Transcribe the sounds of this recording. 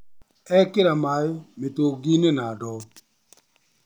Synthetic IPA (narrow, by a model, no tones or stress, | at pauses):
ɛkɪɾamajomɪtoɡinenadɔ